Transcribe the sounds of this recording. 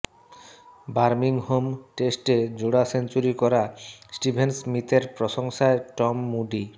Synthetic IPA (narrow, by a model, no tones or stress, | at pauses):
baɾmiŋhomʈesʈed͡ʑoɽasent͡ɕuɾikɔɾasʈibʱensmit̪eɾpɾoʃoŋʃaeʈɔmːuɖi